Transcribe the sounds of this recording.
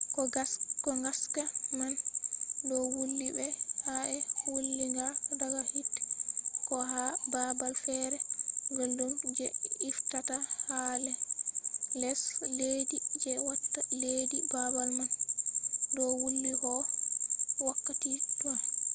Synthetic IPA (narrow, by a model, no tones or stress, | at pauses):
kɔɡakɔŋɡaskamandɔwulːibɛhaʔɛwulːiŋɡadaɡahitː | kɔɦababalfɛɾɛŋɡoldumd͡ʒɛiftatahalɛ | lɛsledid͡ʒɛwatːaledibabalman | dɔwulːihɔ | wakːatitua